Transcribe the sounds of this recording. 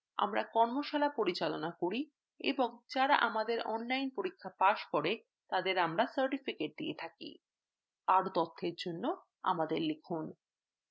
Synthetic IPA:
a̰mɾa̰kɔɾmoʃalapoɾit͡ɕalonakoɾi | ḛboŋd͡ʑaɾaʔamad̪eɾɔnlajnpoɾikʰːapaʃkoɾe | t̪ad̪eɾamɾasaɾʈifikeʈ̚d̪ḭḛt̪ʰakḭ | aɾt̪ɔt̪ʰːeɾd͡ʑonːo | a̰mad̪eɾlekʰun

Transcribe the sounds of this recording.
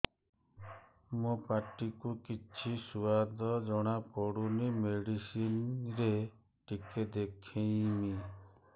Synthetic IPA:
mopaɾʈikukit͡ʃʰisuad̪ʱɔd͡ʒɔɽ̃apɔɽunimeɽisinɾe | ʈiked̪ekʰẽjmi

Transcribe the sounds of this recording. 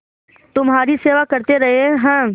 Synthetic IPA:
t̪ʊmɦaːɾiseːʋakɐɾt̪eɾɐɦeɦɛ̃ɦɛ̃ː

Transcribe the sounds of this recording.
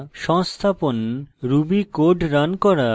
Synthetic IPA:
ʃɔŋst̪ʰaponɾubikoɖɾankɔɾa

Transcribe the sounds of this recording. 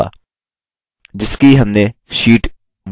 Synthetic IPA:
a̰ː | d͡ʒɪskiɦɐmneʃiːʈ | ʋ

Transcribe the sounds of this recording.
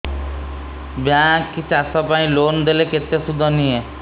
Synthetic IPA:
bjãkːit͡ʃʰasɔpãĩlond̪eleket̪esud̪ʱːɔnie

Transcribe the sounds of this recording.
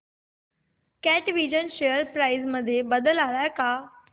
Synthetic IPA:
kɛʈʋid͡ʑənɕejəɾpɾaizməd̪ʱːjebəd̪əlaɭajka

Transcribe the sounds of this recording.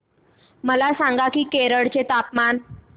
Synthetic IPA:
məlasãŋɡakiːkeɾəɽt͡set̪apman

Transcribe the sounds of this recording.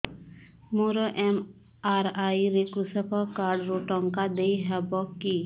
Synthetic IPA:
muɾɔʔɛm | aːɾaːiɾekɾusəpʰəkaːɾɖɾoʈɔ̃ŋkad̪eiɦɛbɔki

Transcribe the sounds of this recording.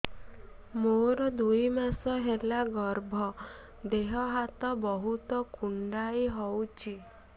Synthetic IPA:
moɾɔd̪ujmasɔɦelaɡɔɾbʱɔ | d̪eɦɔɦat̪ɔbɔɦut̪ɔkuɳɖajɦɔwt͡ʃʰi

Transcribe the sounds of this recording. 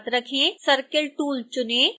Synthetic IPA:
t̪ɾɐkʰẽːsəɾkəlʈuːlt͡ʃʊnẽː

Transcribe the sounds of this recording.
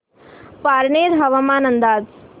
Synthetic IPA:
paːɾɳeːɾɦɐʋɐmaːnɐnd̪aːd

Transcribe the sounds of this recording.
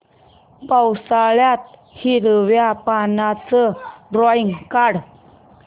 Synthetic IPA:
pawsaɭjat̪̚ | hiɾəʋjapanat͡səɖɾɔiŋkaɽ

